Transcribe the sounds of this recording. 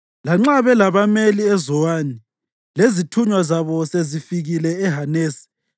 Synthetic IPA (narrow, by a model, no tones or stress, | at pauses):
laŋ͡ǁaβɛlaβameliɛzɔwaːni | lezitʰuɲwazaβɔsezifiɣilɛɛɦaneːsi̥